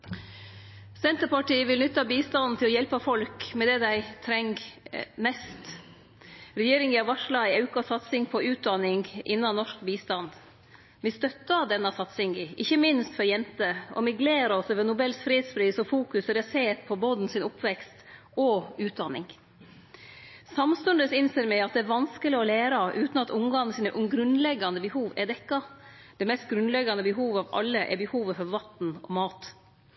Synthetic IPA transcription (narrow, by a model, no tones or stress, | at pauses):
sɛnt̪əɾpɑʈiːʋɪlnʏt̪ːɑbiːst̪ɑnn̩t̪ʰɪlɔjɛlpɑfɔlkmɛd̪ɛd̪æɪt̪ʰɾɛŋɡmɛst̪ | ɾɛjeːɾɪŋɪɑʋɑʂlɑɪɑʉkɑsɑt̪sɪŋpʰɔʉːt̪̚d̪ɑnɪŋʔɪ̰nːɑnɔʂkbiːst̪ɑnd̪ | ʋɪst̪œt̪ːɑd̪ɛnːɑsɑt̪sɪŋɪʔɪçːəmɪnst̪fɔɾjɛnt̪əɔ̰mɪɡleːɾɔsøʋənʊbɛlsfɾiːd̪sfɾiːsɔfuːkʉsɾɛseːt̪pʰɔboːd̪n̩sɪnʊpʰʋɛkst̪ | ɔʉːt̪̚d̪ɑnɪ̰ŋ | sɑmst̪ʉnd̪əsɪnseːɾmɛɪɑt̪̚d̪ɛːɾʋɑnskəlɪɔleːɾɑʔʉːt̪n̩ɑt̪ʊŋɡɑːn̩sɪːnəʔʊɡɾʉnlɛɡːɑnd̪əbəhuːʋɛ̰d̪ɛkːɑ | d̪̥ɛmɛst̪̚ɡɾʉnlɛɡːɑnəbəɦuːʋɑʋɑ̰lːəʔɛ̰bəhuːʋəfɔɾʋɑt̪n̩ɔmɑːt̪